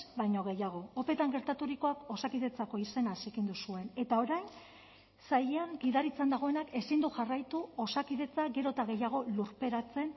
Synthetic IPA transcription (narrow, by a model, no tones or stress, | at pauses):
bajɲo̞ɣ̞e̞jaɣ̞o̞ope̞t̪aŋɡe̞ɾt̪at̪uɾiko̞ako̞sakiðe̞t͡sako̞ise̞nasikind̪usue̞ne̞t̪ao̞ɾajn | sajeaŋɡiðaɾit͡sand̪aɣ̞o̞e̞nake̞sind̪uxarajt̪uo̞sakiðe̞t͡saɡe̞ɾo̞t̪aɣ̞e̞jaɣ̞o̞luɾpe̞ɾat͡se̞n